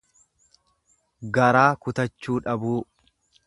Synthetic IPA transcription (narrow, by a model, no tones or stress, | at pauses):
ɡɐɾaːkʊt̪ɐt͡ʃːuːᶑɐbuː